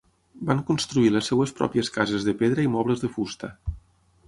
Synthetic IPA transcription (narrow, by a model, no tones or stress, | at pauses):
baŋkunst̪ɾuiləsːɛwəspɾɔ̰piəskazəzðəpeðɾəimɔβləzðəfust̪ə